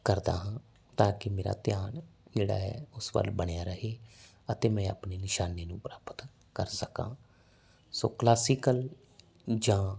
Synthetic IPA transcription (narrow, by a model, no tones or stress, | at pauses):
kəɾd̪a̰ːɦãː | t̪ãːkɪmeːɾa̰ːt̪ɪjaːnd͡ʒeːɽa̰ːɛ̰ːʊsʋə̰lbəɳ̃ejaːɾəɦeː | ət̪eːmɛ̃ːə̰pneːnɪʃaːneːnũːpɾaːpət̪ | kəɾsəkã̰ː | so̰ːklaːsiːkəl | d͡ʒãː